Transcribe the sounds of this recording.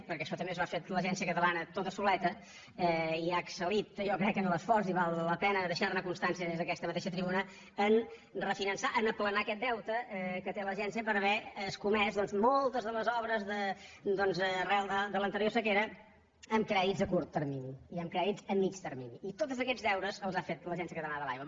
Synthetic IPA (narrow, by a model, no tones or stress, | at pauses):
pəɾkɛʃɔt̪əmbezβafet̪ləʒɛns̬iəkət̪əlanət̪ot̪əsulɛt̪ə | ɛiaksəlit̪jɔkɾɛkːənoləsfɔrziβalˠːəpɛnəðəʃarnəkunst̪ansiəðezðəkɛst̪əmət̪eʃət̪ɾiβunə | ən | rəfinənsaʔənəplənakɛt̪̚d̪ɛwt̪əɛkət̪eləʒɛns̬iəpəɾəβɛəskumɛzðɔnzmɔlˠt̪əzðələzɔβɾəzðəd̪ɔnzərɛlˠd̪əd̪ələnt̪əɾiosəkeɾə | əmkɾɛðidzðəkuɾt̪ːəɾminiːəmkɾɛðitzəmːit͡ʃt̪əɾminiːt̪ot̪əzəkɛzðɛwɾəzəlˠzafet̪ləʒɛnsiəkət̪ənaðəla̰jwə